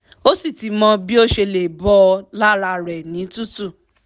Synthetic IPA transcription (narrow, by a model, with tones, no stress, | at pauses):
o˦si˦˨ti˨˦mɔ̃˧bi˦o˦ʃe˧le˨bɔ˦˧la˦ɾa˧ɾɛ˨nĩ˨˦tu˦tu˦˨